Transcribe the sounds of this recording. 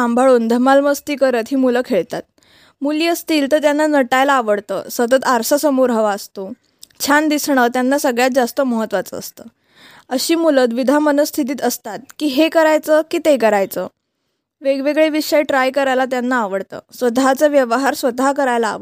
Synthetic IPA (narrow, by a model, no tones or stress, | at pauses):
ambʱaɭuːnd̪ʱəmalməst̪iːkəɾət̪ɦiːmuləkʰeɭt̪at̪̚ | muliːəst̪iːlt̪əɾt̪janːanəʈajlaːʋəɽt̪ə̰ːsʋət̪ət̪aɾsəsəmuɾɦəʋaːst̪o | t͡ɕʰand̪isɳət̪janːasəɡɭjat̪̚d͡zast̪əməɦət̪ːʋat͡sə̰ːst̪ə | əɕiːmulət̪̬ʋid̪ʱamənəst̪ʰit̪̬iːt̪əst̪at̪̚kiːɦekəɾajt͡səkiːt̪ekəɾajt͡sə | ʋeɡʋeɡɭeʋiɕajʈɾajkəɾajlat̪janːaːʋəɽt̪ə̰ːsʋəd̪ʱat͡səʋjəʋəɦaɾsʋət̪akəɾajla̰ːʋə